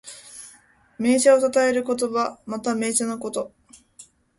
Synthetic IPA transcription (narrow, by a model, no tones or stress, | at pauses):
me̞ːɕaot̪at̪ae̞ɾɯ̟ko̞t̪o̞βamat̪ame̞ːt͡ɕanoko̞t̪o̞